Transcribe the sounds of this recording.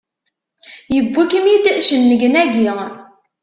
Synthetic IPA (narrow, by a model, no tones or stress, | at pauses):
jəbːukəmjit̪əʔʃənːəɡənæɡi